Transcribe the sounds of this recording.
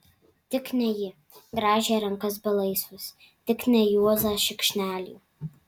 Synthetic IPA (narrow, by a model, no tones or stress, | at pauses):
t̪ʲɪknʲɛjɪ | ɡɾɑːʒʲeːɾɐŋkɐsbʲɐlˠɐɪsʊs | t̪ʲɪknʲɛjuɔzɑːʃʲɪkʃʲnʲæːlʲṵːˑ